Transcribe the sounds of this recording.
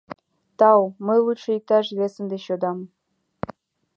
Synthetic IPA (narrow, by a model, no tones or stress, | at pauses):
t̪ɑwməjlˠutʃɤ̆ik̚t̪ɑʒiβʲesə̆md̪eɕod̪ɑm